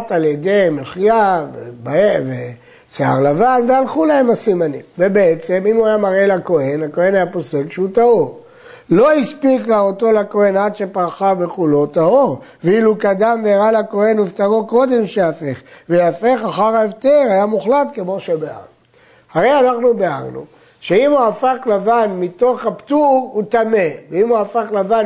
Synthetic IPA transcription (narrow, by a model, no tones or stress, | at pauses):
taljed̪e̞jmeχjavebaeve | sea̰ʁlavanvealχulaemasimanimvebe̞et͡se̞mimuajamaʁe̞lako̞e̞nako̞e̞najapo̞se̞kʃeut̪au | lo̞ispiklaot̪o̞lako̞e̞nad̪ʃe̞paʁχabe̞χulo̞t̪ao | veilukad̪amveaʁalako̞he̞nuvt̪aʁoko̞d̪e̞mʃeafe̞χvejafe̞χaχaʁaevt̪eʁajamuχlat̪ke̞mo̞ʃebea̰ʁ | haʁe̞janaχnubea̰ʁnṵ | ʃeimuafaχlavanmit̪o̞χhapt̪uvut̪ame̞veimuafaχlavan